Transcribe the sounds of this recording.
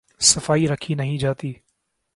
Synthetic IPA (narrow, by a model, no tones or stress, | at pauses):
sɐfaːiɾɐkʰinɐɦĩd͡ʒaːt̪iː